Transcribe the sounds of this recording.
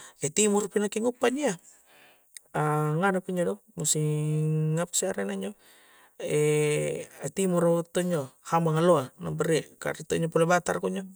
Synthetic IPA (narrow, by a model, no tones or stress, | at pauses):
ɛt̪imurpinakiŋupaɲia | aŋanapiɲd͡ʒodɔmusi | ŋapsiaɾenaɲd͡ʒo | ɛ | at̪imurt̪oɲd͡ʒohambaŋaloanabəɾika̰rt̪oɲopulebat̪a̰rkoɲɔ